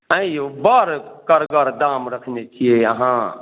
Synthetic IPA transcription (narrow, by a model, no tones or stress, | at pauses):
ə̃ĩjobəɾkəɾɡəɾd̪amɾəkʰnet͡ʃʰieə̰ɦã